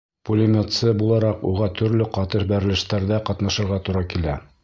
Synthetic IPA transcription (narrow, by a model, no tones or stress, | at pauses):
pulʲɪmʲet̪sɤbulˠɑɾɑquʁɑt̪ʰɵ̆ɾlɘqɑt̪ɤʃbæɾɘ̆lɘ̆ʃt̪æɾðæqɑt̪nɑʃɤ̆ɾʁɑt̪uɾɑkilæ